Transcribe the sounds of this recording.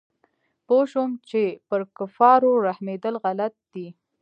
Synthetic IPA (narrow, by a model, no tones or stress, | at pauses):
poʃomt͡ʃepəɾkʊfɑɾoɾahmed̪əlɣalat̪̚d̪i